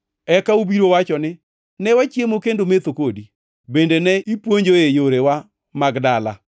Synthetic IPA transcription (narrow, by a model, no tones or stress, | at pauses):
ɛkaubiɾowat͡ʃɔnɪ | nɛwat͡ʃjemokendomet̪okodi | bendenɛipwoɲd͡ʒoejoɾewa | maɡdala̰